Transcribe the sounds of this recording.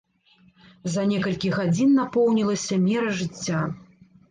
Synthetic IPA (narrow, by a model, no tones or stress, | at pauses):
zɐnʲɛkɐlʲkʲiɣad͡zʲinːapɔwnʲilˠɐsʲɐmʲɛɾɐʐɨt͡sʲːa